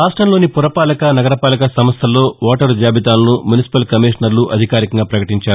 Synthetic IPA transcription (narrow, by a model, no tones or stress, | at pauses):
aːsʈɐnlo̞ːnipuɾɐpaːlɐkɐnɐɡɐɾɐpaːlɐkɐsɐmɐst̪ʰɐlːo̞ːʋaːʈɐɾd͡ʒjaːbit̪aːlɐnumjunisi̥pɐlkɐmiːʂɐnɐɾluʔɐ̰d̪ʱikaːɾikɐŋɡaːpɾɐkɐʈiɲt͡ʃaːɾu